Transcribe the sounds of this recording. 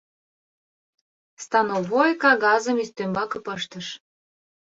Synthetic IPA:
st̪ɑnovojkɑɣɑzəmist̪ømbɑkɤ̆pəʃt̪əʃ

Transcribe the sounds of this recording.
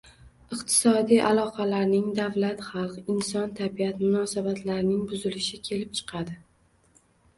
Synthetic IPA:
ɨqt̪ʰɪ̥sɒd̪ijʔalˠɒqʰɑlaɾnɪŋd̪avlat̪χɑlˠqɪnsɒnt̪ʰabijat̪mʊnɒsabat̪ʰlaɾɪnɪŋbʊzɪlɪʃɪkʲʰe̞lɪp̚t͡ʃʰɨ̥qʰɑd̪ɪ

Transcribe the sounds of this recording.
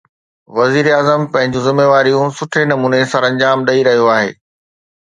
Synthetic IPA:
ʋɐziːɾeaːzəmpɐ̃ɦɪ̃ɲd͡ʑũzɪmːeːʋaːɾijũsʊʈʰenɐmuːnesɐ̃ɾɐ̃ɲd͡ʑaːmɗɐiɾɐɦijoaːɦḛː

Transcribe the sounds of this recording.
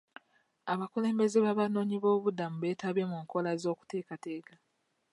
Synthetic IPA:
aβakule̞ːmbe̞zeβaβano̞ːɲiβo̞ːβudamuβe̞ːtaβe̞muŋko̞lazo̞ːku̥te̞ːkateːka

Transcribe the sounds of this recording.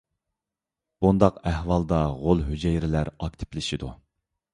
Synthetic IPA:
b̥und̪ɑqæhwɑlˠd̪ɑʁolˠɦyd͡ʒɛjɾɪlæɾɑk̚ʲt̪ʰɪ̥plɪʃid̪u

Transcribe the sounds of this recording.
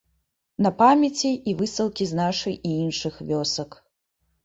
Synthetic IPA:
nɐpamʲɐt͡sʲiːvɨsɐlˠkʲiznaʂɨjʔiinʂɨxvʲɔsɐk

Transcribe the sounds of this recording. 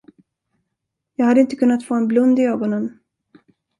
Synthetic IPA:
jɑːɡhad̪ːəɪnt̪əkʰɵnːat̪foːɛnblɵnd̪ɪøːɡɔnən

